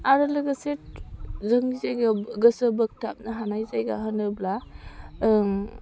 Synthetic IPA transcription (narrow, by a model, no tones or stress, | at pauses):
aɾɯlɯɡɐset̚zəŋizajɡaɡəsəbək̚tʰap̚naɦanajzajɡaɦənɯbla